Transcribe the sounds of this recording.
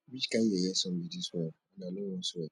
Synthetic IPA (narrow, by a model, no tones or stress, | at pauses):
bid͡ʒkaɛjɛsɔ̃mbidisɛanãlewɔ̃suɛ